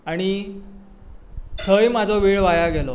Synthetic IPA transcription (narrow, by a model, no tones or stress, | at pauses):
aɽ̃i | t̪ʰəjmad͡zʱoʋiːɭʋajaɡelo